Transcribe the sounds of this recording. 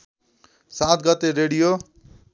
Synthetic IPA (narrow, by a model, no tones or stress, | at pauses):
sat̪ʰɡʌt̪eɾeɽijo